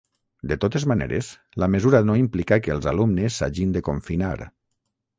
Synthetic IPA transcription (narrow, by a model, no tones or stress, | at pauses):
d̪et̪ot̪ezmanḛɾḛs | lamezuɾanoimplikakəlˠzalumnesːa̰ʒind̪ekoɱfina̰ɾ